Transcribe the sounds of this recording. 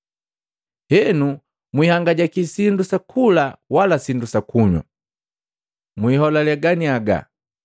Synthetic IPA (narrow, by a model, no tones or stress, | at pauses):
hɛnu | mwihaŋɡaɟakisindusakʰulawalasindusakʰuɲɔ̰ | mwiːɦɔlalɛɡaniaɡa̰